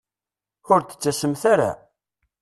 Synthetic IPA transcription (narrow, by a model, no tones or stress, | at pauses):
ʊɾt̪ə̥t͡sːæsəmθaɾa̰